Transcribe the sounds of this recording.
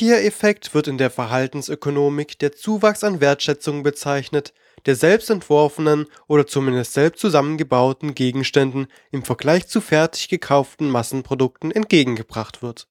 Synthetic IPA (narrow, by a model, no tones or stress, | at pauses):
iːɐɛfɛktv̥ɪɐtɪndeːɐfɛɐɦaltn̩sʔøkonoːmɪkd̥eːɐt͡suːvaksanveːɐtʃɛt͡sʊŋəbət͡saɪçnət | d̥eːɐzɛlpstɛntv̥ɔɐfənənʔʔoːɾɐt͡sumɪndəstz̥ɛlpstt͡suzamənɡəbaʊtn̩ɡeːɡŋ̩ʃtɛndn̩ | ɪmfɛɐɡlaɪçt͡sufɛɐtʰɪ̥çɡ̥əkʰaʊftn̩masn̩pʁ̥odʊk̚tn̩ɛnt̚ɡ̥eːɡŋ̩ɡəbʁaχtv̥ɪɐt